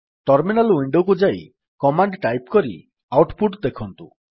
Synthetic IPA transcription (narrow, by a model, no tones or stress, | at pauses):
ʈɔɾminalwiɳɖokud͡ʒaj | kɔmaɳɖʈajpkɔɾḭ | awʈpuʈd̪ekʰɔnt̪u